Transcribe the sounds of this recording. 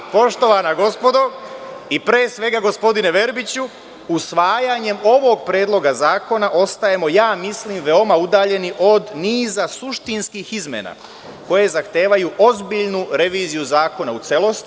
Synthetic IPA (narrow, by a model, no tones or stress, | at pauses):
po̞ʃt̪o̞ʋanaɡo̞spo̞d̪o̞ipɾeːsʋe̞ɡaɡo̞spo̞d̪ineʋe̞ɾbit͡ɕu | usʋaːjaɲe̞mo̞ʋo̞ɡ̚pɾe̞ːd̪lo̞ɡazaːko̞naʔo̞st̪aje̞mo̞jaːmisliːmʋe̞o̞maud̪aːʎe̞niʔo̞d̪niːzasuʃt̪inskixizmḛna̰ | ko̞je̞zaxt̪eːʋajuʔo̞zbiʎnuɾe̞ʋiːzijuzaːko̞naut̪se̞lˠo̞st̪i